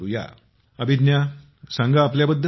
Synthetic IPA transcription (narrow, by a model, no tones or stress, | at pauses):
uja̰ | əbʱid̪nja | sãŋɡaːpljabəd̪ʱːə